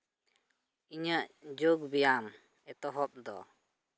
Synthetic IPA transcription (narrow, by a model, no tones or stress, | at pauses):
iɲaʔd͡ʒoɡbijam | ɛt̪ɔɦɔp̚d̪ɔ̰